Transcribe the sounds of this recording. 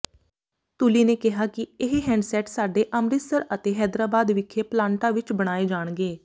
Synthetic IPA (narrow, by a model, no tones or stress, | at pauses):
t̪uːliːneːkɪɦaːkɪɪɦɦɛ̃ːɳɖsɛːʈsaːɖeːʔəmɾɪsəɾət̪eːɦɛːd̪ɾaːbaːd̪ʋɪkʰːeːplãːɳʈaːʋɪt͡ʃbəɽ̃aːeːd͡ʒaːɳ̃ɡeː